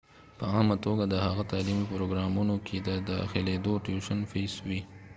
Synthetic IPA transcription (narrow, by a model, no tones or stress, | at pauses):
pəɑmat̪oɡad̪əhaɣat̪aːlimipɾoɡɾɑmunokʰed̪əd̪əa̰xeled̪oʈjuʃənfeswi